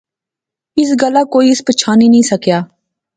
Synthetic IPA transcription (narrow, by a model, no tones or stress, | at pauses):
ɪs̬ɡəlːaːkoːiɪspət͡ʃʰaːnĩːnəĩːsəkjaː